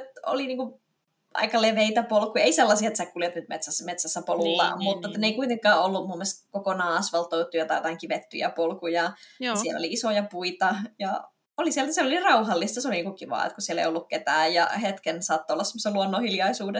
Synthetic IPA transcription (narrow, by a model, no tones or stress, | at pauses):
et̪o̰liniːŋku | ʔɑ̰ikɑleʋeit̪æpolkujɑeiselːɑsiɑet̪sekuljɑt̪nyt̪mḛt̪sæsmet̪sæsːæpolulːɑ̰mut̪ːɑet̪ːæneikuit̪eŋkːɑːolːumumːelst̪kokonɑːɑsʋɑlt̪out̪ːˑujɑt̪ɑjot̪ɑiŋkiʋet̪ːy̰jæ̰polkujɑsiɛlːo̰liisojɑpuit̪ɑjɑ | olisielt̪æsielolirɑuhɑlːist̪ɑseoliniːŋkukiʋɑ̰ːḛt̪kusielḛjolːukket̪æːjjɑ̰het̪kensɑːt̪ːoolːɑssemːosːeluonːohiljɑisuːde